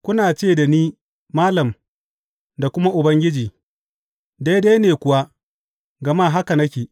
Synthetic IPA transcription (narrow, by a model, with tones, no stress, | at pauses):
kʷʊ˦naː˨t͡ʃeː˦˨da˨niː˦ | maː˦lɐ˨m | da˨kʷʊ˦ma˦ʔʊ˨bɐ˦ŋɡʲɪ˦d͡ʒiː˨ | da˦jda˦neː˨kʷʊ˨wa˦ | ɡɐ˨maː˦ɦa˦ka˨nɐ˦kʲiː˨